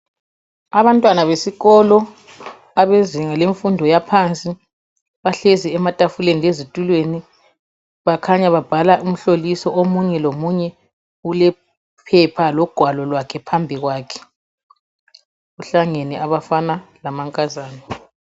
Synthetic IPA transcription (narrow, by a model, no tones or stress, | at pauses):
aβantʼwanaβesiɣɔlɔ | aβeziŋaleɱfundʱɔjapʰant͡sʼi | βaɬeziɛmatʼafuleniezitʼulweni | βakʰaɲaβab̥ʱalaʔum̩ɬolisɔʔomuɲɛlomuɲɛ | ulɛ | pʰɛpʰalɔɡ̥ʱwalɔlwakʰɛpʰambʱiɣwaːkʰɛ̥ | ɣuɬaŋeniʔaβafanalamaŋkʼazaːnɛ